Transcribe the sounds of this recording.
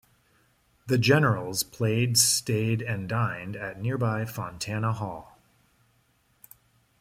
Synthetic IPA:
ðɨd͡ʒɛnə˞l̩ˠz̥pʰl̥eɪdsteɪɾɨ̃ndãɪ̃ndɨtⁿnɪɹbaɪfɑ̃ntʰænəhɔlˠ

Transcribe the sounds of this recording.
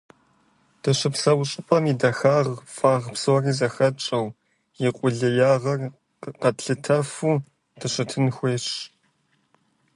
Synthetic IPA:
d̥ɐɕɨpsɐwɕʼɪpʼɐmiːdɐxaːʁfʼaːʁpsɨwɐriːzɐxɐt͡ʃʼɐw | jɪqʷʼʊɮɐjaːʁɐr | qɐtɬɨtʰɐfuː | d̥ɐɕɐtʰɨnxʷeːɕ

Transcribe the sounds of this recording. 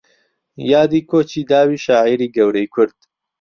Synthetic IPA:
jaːd̪iːkʰoːt͡ʃiːd̪aːwiːʃaːʕiːɾiːɡɐwɾejkʰʊɾd̪̥

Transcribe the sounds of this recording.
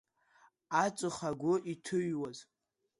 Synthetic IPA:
at͡ʃʷʼɨχaɡʷʊʔitʰɨɥwaz

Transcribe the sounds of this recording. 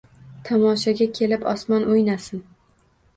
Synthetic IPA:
t̪ʰɒmɒʃaɡʲakʲʰe̞lɪpɒ̰smɒnojnasɪn

